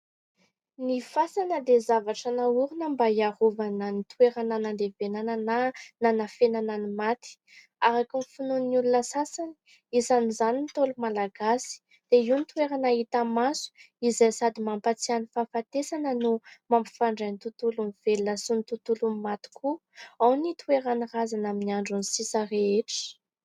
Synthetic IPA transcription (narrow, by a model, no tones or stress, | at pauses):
nifasanəd̪ezavaʈ͡ʂanauɾunəmbaiaɾovanənit̪weɾananand̪evenananananafenananimat̪i̥ | aɾakunfununnulunəsasani̥ | izanizanint̪olumalaɡasi̥ | d̪̥eiwnit̪ueɾanaɦit̪amasu̥ | izajsad̪imampat͡sianifafat̪esanənumampi̥faɳɖ͡ʐajnt̪ut̪ulunivelnasunit̪ut̪ulummat̪i̥kʰuawnit̪ueɾanirazanaminiaɳɖ͡ʐunisisareeʈ͡ʂə̥